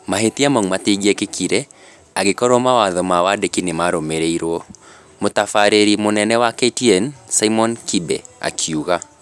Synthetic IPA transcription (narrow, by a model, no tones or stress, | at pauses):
maɦetiamɔŋmatiɡɛkekʰiɾɛ | aɣekɔɾɔmawaðɔmawadekinemaɾomeɾeiɾwɔ | motafaɾeɾimonɛnɛwaketiɛnsaimɔnkibɛ̰a̰kʰiuɣa